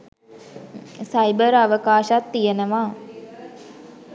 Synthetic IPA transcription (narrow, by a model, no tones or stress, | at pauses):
sajbəɾaʋəkaːʃat̪ːijenəʋaː